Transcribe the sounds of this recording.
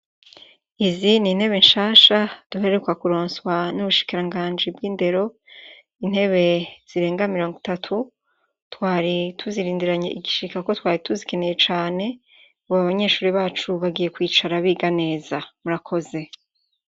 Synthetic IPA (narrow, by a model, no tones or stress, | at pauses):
izinin̥he̞βe̞nʃaːʃad̥uɦe̞ɾekwakuɾoːnswanuβuʃi̥kiɾaŋɡaːɲd͡ʒibɡiːnde̞ɾo̞ | in̥he̞βe̞z̥iɾe̞ːŋɡamiɾo̞ːŋɡitatʰu | twaːɾitʰuziɾiːndiɾaɲeʔiɡiʃikako̞twaːɾituzike̞ne̞je̞t͡ʃaːne̞ | uβaβaɲe̞ːʃuːɾiβaːt͡ʃuβaɡije̞kwiːt͡ʃaɾaβiɡane̞ːzamuɾakʰo̞ze̞